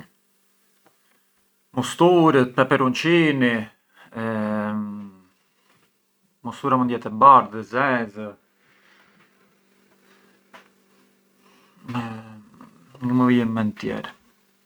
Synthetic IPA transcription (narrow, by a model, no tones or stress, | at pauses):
must̪uɾət̪̚pɛpɛɾunt͡ʃini | must̪uɾamund̪ɛt̪ɛbaɾðəzɛzə | mɛ | ŋəməvijəmɛnt̪jɛ̰ɾɛ